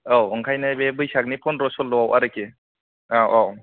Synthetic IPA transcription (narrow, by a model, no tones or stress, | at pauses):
awɔŋkʰajnɯbebɯjsak̚nipʰɔnɾɔsɔlːɔwawʔaɾɯke | awʔaw